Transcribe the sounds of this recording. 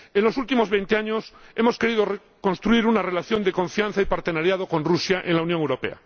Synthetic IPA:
e̞nlo̞sult̪imo̞zβent̪eaɲose̞mo̞ske̞ɾið̞ore | kõ̞nst̪ɾuiɾunare̞laθjo̞nd̪e̞ko̞ɱfjan̟θaipaɾt̪e̞naɾjað̞o̞kõ̞nrusjaʔenlaunjoŋewɾo̞pe̞̰a̰

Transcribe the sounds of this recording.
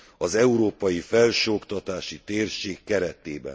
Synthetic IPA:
ɒzɛuɾoːpɒjifɛlʃokt̪ɒt̪aːʃit̪eːrʃeːkːɛɾɛt̪eːbɛ̰

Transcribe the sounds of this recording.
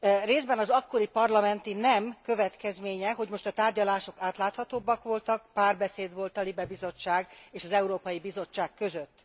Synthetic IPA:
reːzbɛnɒzɒkːo̞ɾipɒrlɒmɛnt̪inɛmkøvɛt̪kɛzmeːɲɛɦo̞ɟmo̞ʃt̪ɒt̪aːrɟɒlaːʃo̞kaːt̪laːt̪hɒt̪oːbːɒkʋo̞lt̪ɒkpaːrbɛseːd̪ʋo̞lt̪ɒlibɛbizo̞t͡ʃːaːɡeːʃɒzɛuɾoːpɒjibizo̞t͡ʃːaːkːø̞zøt̪ː

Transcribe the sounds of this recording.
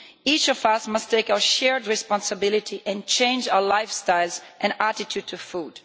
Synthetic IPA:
it͡ʃɔvʌsmʌstʰeɪkaʊə˞ʃɛɹdɹɨspɑ̃nsəbɪlɪtʰiʔɛ̃nt͡ʃẽɪ̃nd͡ʒaʊə˞laɪfstaɪlˠzʔɨ̃nætɪtʰjud̚tʰufud̥

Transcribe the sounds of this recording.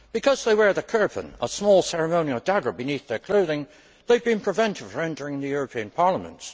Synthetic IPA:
b̥ɨkʰʌzðeɪwə˞ðəkʰɜ˞pə̰̃nə̰smɔlˠsɛɹɨmõʊnil̩ˠdaɡə˞bɨniθðə˞kʰl̥oʊðɪ̃ŋ | ðeɪd̚bɨ̃npʰɹ̥ɨvɛ̃ntʰɨd̥ɛ̃ntə˞ɪ̃ŋðɨjʊɹəpʰĩɨ̃npʰɑɹləmə̰̃nts

